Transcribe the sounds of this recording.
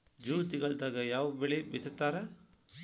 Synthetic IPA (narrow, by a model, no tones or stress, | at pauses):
d͡ʒuːt̪iɡɐɭd̪aːɡɐjaːʋɐbeɭebit̪ʰɐt̪ːaːɾɐ